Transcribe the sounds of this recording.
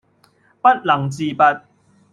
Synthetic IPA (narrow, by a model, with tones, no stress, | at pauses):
pɐ˦˥t̚lɐ˨˩ŋt͡siː˧pa˧t̚